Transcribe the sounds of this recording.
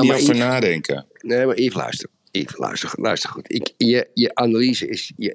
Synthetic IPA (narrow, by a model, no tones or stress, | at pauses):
mjfənaːdɛŋkʰə̰ | neːmaɾɪːvəlœ̰ɥstər | ḭːvəlœ̰ɥstəlœɥstərxutʰɪkjəjəʔanaliːzəɪsjə